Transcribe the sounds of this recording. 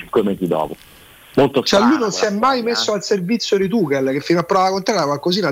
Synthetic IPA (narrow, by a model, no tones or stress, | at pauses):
iŋkwemeːzid̪ɔ̰ːpo | molt̪ot͡ʃɛlːujnonsiɛmːajmesːoalservit̪sːjod̪it̪uːkelk̟efːinoapːɾɔvalakont̪ɾɛt̪akwalkoziːna